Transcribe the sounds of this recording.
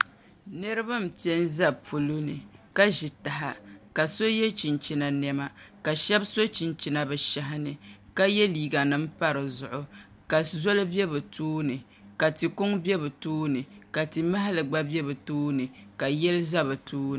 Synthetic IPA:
nɨ˦ɾɨ˦ba˦m̩˨pɛ˦nza˦bpu˨lu˦nɨ˨ka˦ʒɪ˨ta˨ɦa̰˨ka˨so˦jɛ˦t͡ʃi˨nt͡ʃi˨na˨nɛ˦ma˦ka˨ʃɛ˦bso˦t͡ʃi˨nt͡ʃi˨na˨bɛ˨ʃa˨ɦɪ˦nɨ˨ka˦jɛ˦liː˨ɡa˨nɨ˦m̩˦pa˦ɾɨ˨zʊ˨ʔʊ˦ | ka˨zo˦lɨ˦bɛ˦bɨ˨toː˦nɨ˨ | ka˨ti˨kʊ˦ŋbɛ˦bɨ˨toː˦nɨ˨ka˨ti˨ma˦ɦa˦lɨ˨ɡ͡ba˦bɛ˦bɨ˨toː˦nɨ˨ka˨jɛ˦lɨ˦za˦bɨ˨tʰuː˦˨

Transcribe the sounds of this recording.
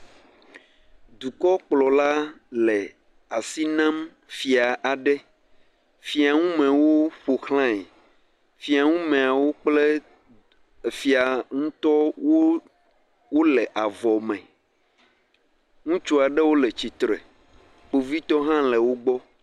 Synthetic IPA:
d̪u˨kɔ˦k͡plɔ˨la˦lɛ˨ | a˨si˦nã˦m | fi˨a˨ʔa˨ɖɛ˦ | fi˨a˨ŋũ˦mɛ̃˨wo˦ɸo˨xlã˦ɛ˨ | fi˨a˨ŋũ˦mẽ˨a˨wo˦k͡ple˦˨ | fi˨a˨ŋũ˦t̪ɔ˦wo˦ | wo˦lɛ˨ʔa˨vɔ˨mɛ̃˨ | ŋũ˦t͡ʃu˦a˨ɖɛ˦wo˦le˨t͡ɕi˨t̪ɾḛ˨ | k͡po˨vi˦t̪ɔ˦ɦã˦lɛ˨wo˦ɡ͡bɔ˦

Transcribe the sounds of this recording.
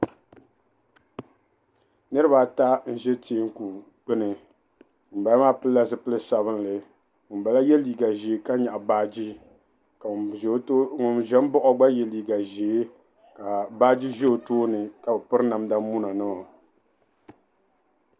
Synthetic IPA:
nɨ˦ɾɨ˦ba˦˨ta˦n̩˦ʒɛ˦ti˦ŋ˦ku˨ | k͡pɨ˦nɨ˨ | ŋ̩˨ba˨˦maː˦pɨ˦la˦zɨ˦pɨ˦lɨ˦sa˨βɨ˦n˦lɨ˨ | ŋʊ˨m˨ba˨la˦jɛ˦liː˨ɡa˨ʒe˨˦ka˦ɲa˨ʔa˨baː˦d͡ʒi˦ | ka˨˦ | ŋʊ˨nʒɛ˦m˦bɔ˦ʔɔ˦ɡ͡ba˦jɛ˨liː˨ɡa˨ʒe˨˦ | ka˨baː˦d͡ʒi˦ʒɛ˦o˨toː˦nɨ˨ka˨bɛ˨pɨ˦ɾna˨mda˦mu˦na˨nɨ˦ɔ˨

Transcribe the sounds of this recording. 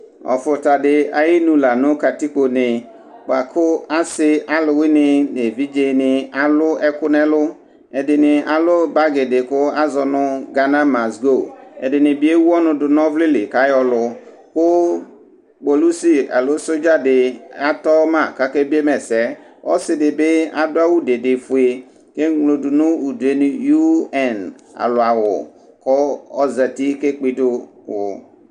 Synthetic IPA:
ɔ̰˨fʊ˨ta˨dɪ˨a˨jɪ˦nũ˨la˨nʊ˦ka˨ti˦ko˨nɪ˨ | k͡pa˨kʰʊ˦a˦sɪ˦a˦lʊ˨wɪ˦nɪ˨n˨e˨vi˦d͡ʒe˨nɪ˨a˨lʊ˦ɛ˦kʊ˦nɛ˦lʊ˦ | ɛ˨dɪ˨nɪ˨a˨lʊ˦ba˦ɡɪ˨dɪ˨kʊ˦a˦zɔ˨nʊ˦ɡa˨nã˦ma˨sɡo˦˨ɛ̰˨dɪ˨nɪ˨bi˦e˦wu˦ɔ˦nʊ̃˨dʊ˨nɔ˦vlɪ˦lɪ˨ka˨˦jɔ˨lʊ˨ | kʊ˦ | k͡po˨lu˦si˦a̰˨lʊ˦so˦d͡ʒa˦dɪ˨a˨tɔ˦ma˨ka˦ke˦bi˦e˦mɛ˨sɛ˦ | ɔ̰˦sɪ˨dɪ˨bɪ˦a˨dʊ˦a˦wu˦dɪ˨dɪ˨fu˨e˨ | ke˦ŋlo˨dʊ˨nʊ˦u˨du˨e˦n˦ju˦ɛ˨n | a̰˨lʊ˨a˨wʊ̰˨ | kʊ˦ɔ˦za˨ti˦ke˦k͡pi˦dʊ˦wʊ̰˨

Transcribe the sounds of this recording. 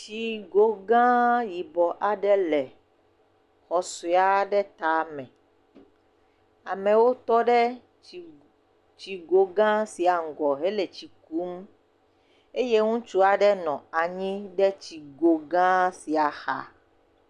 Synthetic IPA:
t͡ʃi˦ɡo˦ɡã˦ji˨bɔ˨ʔa˨ɖɛ˦lɛ˨ | xɔ˨su˨a˦ɖɛ˦t̪a˨mɛ̃˨ | a̰˨mɛ̃˨wo˦t̪ɔ˦ɖɛ˦ | t͡ʃi˨ɡo˦ɡã˦si˨a˨ŋ̩˨ɡɔ˨ɦe˦le˨t͡ɕi˨ku˦m | e˦je˦ŋũ˦t͡ʃu˦a˨ɖɛ˦nɔ̃˨a˨ɲĩ˦ɖɛ˦t͡ɕi˨ɡo˨ɡã˦si˨a˨xa̰˦

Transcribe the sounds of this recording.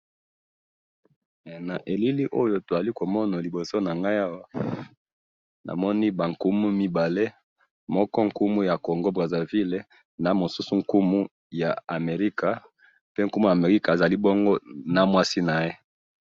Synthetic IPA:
na˨ʔe˨li˦li˦ʔo˦jo˨to˨za˨li˦ko˨mɔ˦na˨li˨bo˨so˦na˨ŋɡa˦ja˦wa˦ | na̰˨mɔ˦ni˦ba˨ŋ˨ku˦mu˦mi˦ba˨le˦ | mɔ˦kɔ˦ŋ̩˨ku˦mu˦ja˨ko˨ŋɡo˦bʁa˨za˨vi˦le˨ | na˨mo˨su˦su˦ŋ̩˨ku˦mu˦ | ja˨a˨me˨ʁi˦ka˨ | pe˦ŋ˦ku˦mu˦ja˨me˨ʁi˦ka˨za˨li˦bo˦ŋɡo˦na˨mwa˦si˦na˨je˦

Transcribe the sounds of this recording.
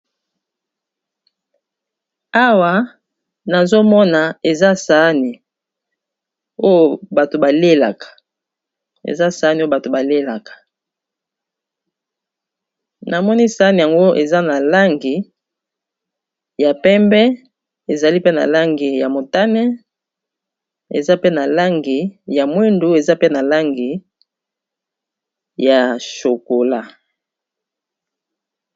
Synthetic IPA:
a˦wa˨ | na˨zo˦mɔ˦na˨e˨za˦sa˨˦ni˨ | o˦jo˨ba˨to˨ba˨le˦la̰˨kḁ˨ | ḛ˨za˦sa˨˦ni˨o˦o˨ba˨to˨ba˨le˦la˨kḁ˨ | nʔa˨mɔ˦ni˦sa˨˦ni˨ja˨ŋɡo˦ʔḛ˨za˦na˨la˦ŋɡi˨ | ja˨pɛ˦mbɛ˦ | e˨za˨li˦pe˦na̰˨la˦ŋɡi˨ja˨mo˨ta˦nɛ˦ | ḛ˨za˦pe˦na˨la˦ŋɡi˨ja˨mwe˦ndu˦e˨za˦pe˦na˨la˦ŋɡi˨ | ja˨ʃo˨ko˨la˦

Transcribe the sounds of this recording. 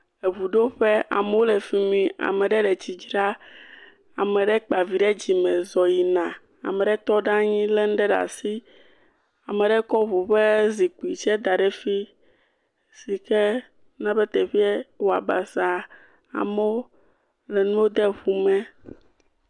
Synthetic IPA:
e˨βu˨ɖo˦ɸe˦a̰˨me˦wo˦lɛ˨fi˨mĩ˦a̰˨mɛ̃˨ɖɛ˦ɖɛ˨t͡ɕi˨d͡ʒɾa˦ | a˨mɛ̃˨ɖɛ˦k͡pa˨vi˨ɖɛ˦d͡ʑi˨mɛ̃˨zɔ˨ji˨nã˨ | a̰˨mɛ̃˨ɖɛ˦t̪ɔ˦ɖã˦ɲĩ˦lɛ˦n̩˦ɖɛ˦ɖa̰˨si˦ | a˨mɛ˨ɖɛ˦kɔ˦βu˨ɸe˦zi˨ku˨i˨t͡ʃɛ˦d̪a˨ɖɛ˦fi˦ | si˨kɛ˦ | nã˦bɛ˦t̪e˨ɸi˦ɛ˦wo˨a̰˨ba˨za˨ | a̰˨me˦o˦ | le˨nũ˦wo˦d̪ɛ˦ɸu˦mɛ̃˦

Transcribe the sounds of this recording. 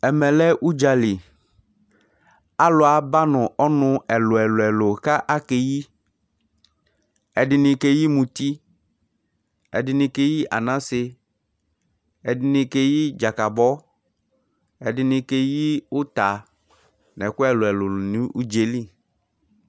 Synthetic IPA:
ɛ˨mɛ̃˨lɛ˦ʔu˦d͡ʒa˨li˨ | a˦lʊ˨a˨ba˦nʊ̃˨ʔɔ˦nʊ̃˦ɛ˨lʊ˨ɛ˨lʊ˨ɛ˨lo˨ka˦ʔa˦ke˨ji˦ | ɛ˨dɪ˨nɪ̃˨ke˦ji˦mũ˨t̪i˦ | ɛ̰˨dɪ˨nɪ̃˨ke˨ji˦ʔa̰˨nã˦sɪ˦ | ɛ˨dɪ˨nɪ̃˨ke˦ji˦d͡ʒa˨ka˨bɔ˦ | ɛ˨dɪ˨nɪ̃˨ke˦ji˦ʊ˦t̪a˨ | nɛ˨kʊ˦ɛ˨lʊ˨ɛ˨lʊ˨nĩ˦ʔu˦d͡ʒe˨li˦

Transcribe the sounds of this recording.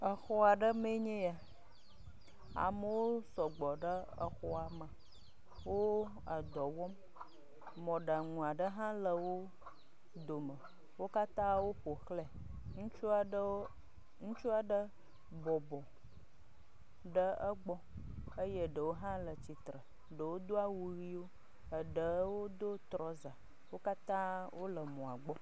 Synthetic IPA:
ə˨xɔ˦a˨ɖə˦me˦ɲẽ˦ja˨ | a̰˨mə˨wo˦sɔ˨ɡ͡bɔ˨ɖə˦ | ə̰˨xɔ˦a˨mə˨ | wo˦ | a˨d̪ɔ˨wɔ˦m | mɔ̃˨ɖa˨ŋũ˨a˨ɖə˦ɦã˦lə˨wo˦ | d̪o˨mə˨ | wo˦ka˦t̪ã˦wo˦ɸo˨xle˨ | ŋũ˦t͡ʃu˦a˨˦ | ŋũ˦t͡ʃu˦a˨ɖə˦ | bɔ˨bɔ˨ | ɖə˦ə˦ɡ͡bɔ˦ | ə˦jə˦ɖə˨wo˦ɦã˦lə˨t͡ɕi˨t̪ɾə˨ | ɖə˨wo˦d̪o˦a˦wu˨ɣi˦wo˦ | ə˨ɖə˨wo˦d̪o˦t̪ɾɔ˦za˨ | wo˦ka˦t̪ã˦wʔo˦lə˨mɔ̃˨a˨ɡ͡bɔ˦

